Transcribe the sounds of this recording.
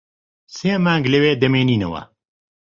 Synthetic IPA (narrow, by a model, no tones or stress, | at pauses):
seːmaːŋɡlɐweːd̪ɐmeːniːnɐ̰wɐ̰